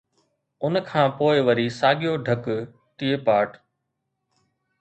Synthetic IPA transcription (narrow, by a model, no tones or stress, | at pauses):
ʊnkʰãːpoːɪʋəɾisaːɠɪjoɖʱək | ʈ̪ieːpaːʈ